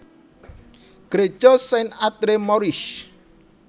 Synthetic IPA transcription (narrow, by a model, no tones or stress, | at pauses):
ɡ̥ɾe̥ʒ̥ɔsɛnat̪ɾemɔɾiʃ